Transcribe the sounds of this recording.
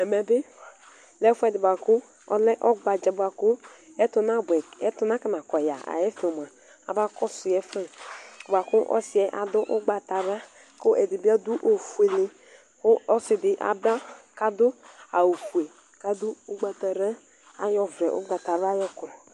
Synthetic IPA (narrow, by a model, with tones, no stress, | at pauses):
ɛ˨mɛ˨bɪ˦ | lɛ˦fu˦ɛ˨dɪ˨ba˨kʊ˦ | ɔ̰˦lɛ˦ʔɔ˦ɡ͡ba˨d͡ʒa˨ba˨kʊ˦ɛ˦tʊ˨na˦bɛ˨ɛ˦tʊ˨na˦ka˨na˨kɔ˨ja̰˨a̰˨jɛ˦fi˨ɔ˨m˨a˨ | a̰˨ba˦kɔ˦sʊ˨jɛ˨˦fɛ˦˨ba˨kʊ˦ʔɔ̰˦sɪ˨ɛ˨˦ʔa̰˨dʊ˦ʔʊ˦ɡ͡ba˨ta˨ɾa˦ | kʊ˦ʔɛ˨di˨ba˦du˦ʔo˨fu˨e˨le˨ | kʊ˦ɔ˦sɪ˨dɪ˨ʔa̰˨ba˦ka˨dʊ˦a˨o˨fu˨e˨ | ka˦dʊ˦ʊ˦ɡ͡ba˨ta˨ɾɛ˦ | a˦jɔ˨vɾɛ˨ʔʊ̰˦ɡ͡ba˨ta˨ɾjɔ˦kɾɔ˨